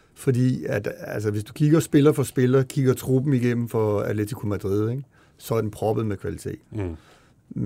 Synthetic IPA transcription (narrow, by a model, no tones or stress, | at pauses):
fɒ̽d̥ḭːæd̥æls̬əʋe̝sd̥ukʰiɡ̥ɐsb̥e̝lɐfɒ̽sb̥e̝lɐkʰiɡ̥ɐt͡sʰʁuːb̥m̩iɡ̥em̰m̩fɒ̽æ̥let͡sʰikʰo̝mæd̥ʁiðˠeɡ̥ | sɒ̽æɐdenpʰʁɒ̽b̥əð̩ˠmekʰʋælit͡sʰe̝̰ːd̥